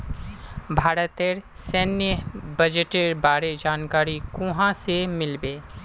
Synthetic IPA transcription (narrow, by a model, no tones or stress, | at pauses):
bʱaːɾət̪eːɾ | sɛːnjəbɐd͡ʒeʈeːɾbaːɾed͡ʒaːnkaːɾikʊɦãsemɪlbeː